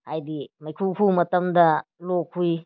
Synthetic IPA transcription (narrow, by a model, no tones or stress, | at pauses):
hajdimɐjkʰukʰumɐtɐmdɐlokʰːuj